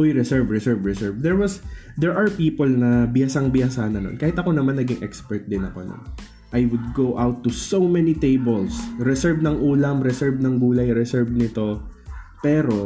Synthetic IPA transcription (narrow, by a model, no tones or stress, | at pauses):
ʔojɾɛsɛɹvɹɛsɛɹvɹɛsɛɹvd̪ɛɹwɐsd̪ɛɹʔɐɹpiːpolnɐbɪjasɐŋbɪjasanɐno̰nkaːhɪt̪ɐko̞nɐmanːɐɡɪŋʔɛkspɛɹt̪̚d̪ɪnɐko̞no̰n | ʔajwʊd̪̚ɡowʔawt̪ːusowmɛnit̪ejbɛlsɾɛsɛɹvnɐŋʔuːlɐmɾɛsɛɹvnɐŋbuːlɐjɾɛsɛɹvnɪt̪o̞pɛːɾo̞